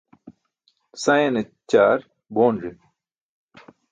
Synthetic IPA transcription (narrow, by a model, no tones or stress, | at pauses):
sɐjene | t͡ɕaːɾ | boːnʐi